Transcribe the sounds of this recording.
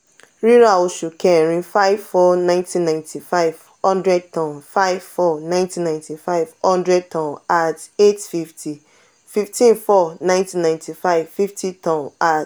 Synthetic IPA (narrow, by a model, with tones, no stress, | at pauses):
ɹi˦ɾa˨o˨ʃu˨kɛ˨ɾĩ˦fa˦ɪvfɔ˦nã˦ɪ̃ntʰĩ˦nːã˨ntʰi˨fa˦ɪv̥ | hɔ̃˦ndɹɛ˦d̚tɔ̃˨nfa˦ɪvfɔ˦˨nã˦ɪ̃ntĩ˦nːã˨ɪ̃ntʰi˨fa˦ɪv̥hɔ̃˦ndɹɛ˦d̚tʰɔ̃˨na˨te˦tfi˦ftʰi˨ | fi˦ftĩ˦nfɔ˦nã˦ɪ̃ntĩ˦nːã˨ɪ̃ntʰi˨fa˦ɪv̥fi˦fti˦tɔ̃˨na˨